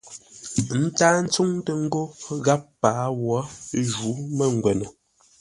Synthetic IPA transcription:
n̩˦taː˦n̩˦t͡su˦ŋtə˨ŋ̩˦ɡo˦ɣa˦pːaː˨˦wɔ˨˦ʒu˨˦mə˦˨ŋ˨ɡwɛ˨nə˨

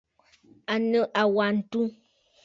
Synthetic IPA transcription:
a˨nə˦ʔa˨wa˨n̩˨˦tu˦

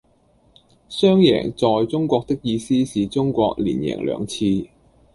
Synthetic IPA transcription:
sœː˥ŋjɛ̰ː˨˩ŋt͡sɔː˨jt͡sʊ˥ŋkʷɔː˧k̚t̪ɪ˥k̚jiː˧siː˥siː˨t͡sʊ˥ŋkʷɔː˧k̚lḭː˨˩njɛ̰ː˨˩ŋlœ̰ː˨˧ŋt͡sʰiː˧

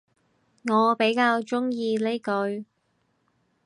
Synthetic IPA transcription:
ŋɔː˨˧pe˨˥jkaː˧wt͡sʊ˥ŋjiː˧le˥jkɵ˧ɥ

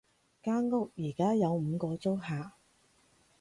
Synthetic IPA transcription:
kaː˥ŋŋʊ˥k̚jiː˨˩kaː˥jɐ˨˧wm̩ː˨˧kɔː˧t͡so˥wɦaː˨

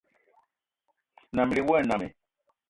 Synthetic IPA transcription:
na˨m˨li˨wɛ˦˨na˨mɛ̰˨

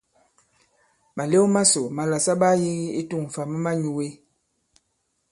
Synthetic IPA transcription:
ma˨le˦ma˦so˨ma˨la˨sa˦ɓa˦ji˦ɣi˦i˦tu˦˨ŋ̩˨fa˨mə˦ma˦ɲu˨we˦

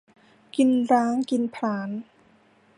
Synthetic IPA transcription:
ki˧nɾaː˦˥ŋki˧npʰlaː˩˦n

